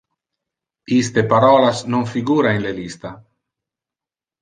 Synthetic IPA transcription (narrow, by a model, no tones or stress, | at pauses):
ist̪epaɾɔːlasnoɱfiɡuːɾaenlelist̪a